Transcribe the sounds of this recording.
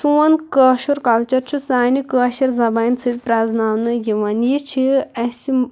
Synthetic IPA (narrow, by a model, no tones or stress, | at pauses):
suɐnkɐːʃuɾkɐlt͡ʃɐɾt͡ʃʰusaːnikəːʃɐɾzɐbaint͡sʰɨt̪ʲpɾaznaːwnɨjiʋɐnjit͡ʃʰiɐsim